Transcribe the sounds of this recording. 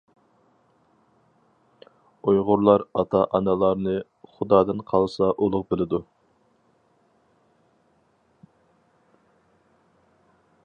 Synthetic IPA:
ojʁʊɾlˠɑɾɑt̪ʰɑʔɑnɛlˠɑɾnɨ | χʊd̪ɑːd̪ɨnqʰɑlˠsɑʔolˠʊq̚bɪlɪd̪u

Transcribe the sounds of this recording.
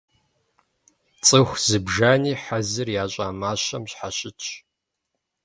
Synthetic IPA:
t͡sʼɨxʷz̥ɨbʒaːniːħazɨrjaːɕʼaːmaːɕɐmɕħaɕʼɪt͡ʃʰ

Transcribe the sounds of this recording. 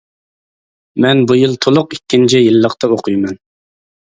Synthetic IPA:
mɛnbujilˠt̪ʰolˠʊqikʲːint͡ʃʰijilːəqt̪ɑoqʰujmɛn

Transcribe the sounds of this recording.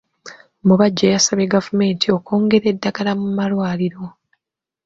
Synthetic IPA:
muβaɟːejasaβeɡavume̞ːntʰio̞ko̞ːŋɡe̞ɾe̞dːaɡalamumalwaːliɾo̞

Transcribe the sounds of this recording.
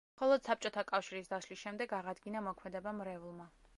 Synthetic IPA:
mχɔlˠɔd̪̥sap̚t͡ʃʼɔt̪ʰakʼafʃiɾisd̪aʃlisʃɛmd̪ɛɡaʁad̪ɡinamɔkʰmɛd̪ɛbamɾɛvulˠma

